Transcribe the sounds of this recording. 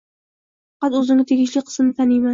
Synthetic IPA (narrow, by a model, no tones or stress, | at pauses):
ffɑqɑt̪ɵzɪŋʲɪt̪ʰeɡʲɪʃlɪqʰə̥smnɪt̪ʰanijma